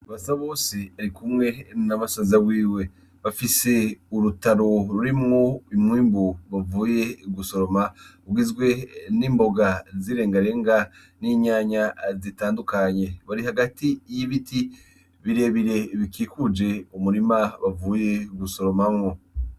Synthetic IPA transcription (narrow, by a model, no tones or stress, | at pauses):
aβasaβo̞ːseaɾikumŋe̞namasazawiːwe̞ | βafise̞uɾutaɾo̞ɾuɾimŋuimŋiːmbuβavuːje̞ɡuso̞ɾo̞ma | ɡizɡwe̞niːmbo̞ɡaziɾe̞ːŋɡaɾe̞ːŋɡa | niɲaːɲazitaːndukaɲe̞βaɾihaɡatijiβitʰi | βiɾe̞βiɾe̞βikikud͡ʒe̞umuɾimaβavuːje̞ɡuso̞ɾo̞mamŋo̞